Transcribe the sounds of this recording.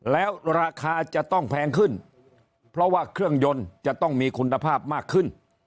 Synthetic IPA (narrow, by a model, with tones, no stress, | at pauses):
lɛː˦˥wɾaː˧kʰaː˧t͡ɕa˨˩ʔt̪ɔ˥˩ŋpʰɛː˧ŋkʰɯ˥˩n | pʰɾɔ˦˥waː˥˩kʰɾɯ˥˩əŋjo˧nt͡ɕa˨˩t̪ɔ˥˩ŋmiː˧kʰu˧nːa˧pʰaː˥˩p̚maː˥˩kʰːɯ˥˩n